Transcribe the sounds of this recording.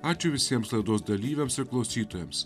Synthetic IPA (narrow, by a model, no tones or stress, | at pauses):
aːt͡ʃʲʊʋʲɪsʲiɛmslˠɐɪd̪oːsd̪ɐlʲiːʋʲɛmsɪɾklˠɐʊsʲiːt̪oːjɛms